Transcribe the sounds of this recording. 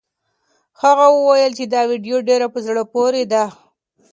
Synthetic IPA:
xaɣawəwajəlt͡ʃed̪ɑwiɖjoɖeɾapəzɽəpoɾed̪a

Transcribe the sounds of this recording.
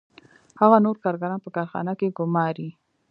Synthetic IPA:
haɣanoɾkɑɾɡaɾɑnpəkɑɾxɑ̰nakeɡʊmɑɾi

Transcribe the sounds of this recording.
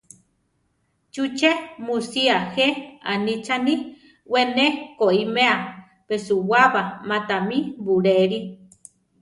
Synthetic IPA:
t͡ʃut͡ʃemusiahea̰nit͡ʃani | wenekoimea | pesuwaβamat̪amibuɾeɾi

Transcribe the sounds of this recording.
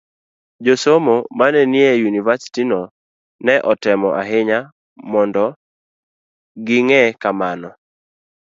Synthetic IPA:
d͡ʒosomomanɛnɪejunivasi̥tinɔ | nɛʔɔtɛmɔʔaɦɪɲa | mɔndɔ | ɡɪŋɛkamanɔ

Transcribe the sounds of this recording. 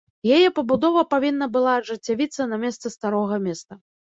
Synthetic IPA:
jajɛpɐbud̪ɔvɐpavʲinːɐbɨlˠaːʐɨt͡sʲːavʲit̪sːɐnɐmʲɛst̪sɨst̪aɾɔɣɐmʲɛst̪ɐ

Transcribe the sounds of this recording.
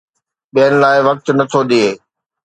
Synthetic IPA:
ɓiɦənɪ̆laːɪʋɐk̚t̪nɐt̪ʰod̪ieː

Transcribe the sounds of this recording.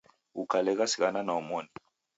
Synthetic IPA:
ukʰalɛk̬asikananɔmoːni

